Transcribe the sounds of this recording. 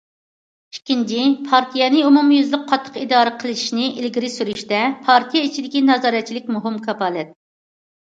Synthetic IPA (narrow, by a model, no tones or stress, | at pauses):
ikʲint͡ʃʰipʰɑɾt̪ʰijɛnɪumumjyzlɪk̚qʰːɑt̪ʰːə̥qid̪ɑːɾəqʰəlˠɨʃʃnɪʔilɡʲiɾɪsyɾyʃt̪ɛpʰɑɾt̪ʰijɛit͡ʃʰid̪ɪkʲinɑzɑːɾɛt̪̚t͡ʃʰilɪk̚ʲmuɦɪmkʰɑpɑlɛt̪̚